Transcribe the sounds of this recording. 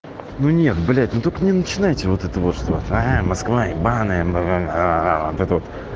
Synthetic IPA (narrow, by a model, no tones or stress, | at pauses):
nunʲe̞t̪̚bɨlʲæt̚ʲnot̪okənʲɪnət͡ɕɪnajtʲɪvo̞t̪ɛt̪əvot̪ʂt̪ovt̪aɦamɐskvaibanəjəm | avot̪ɛt̪əvo̞t̪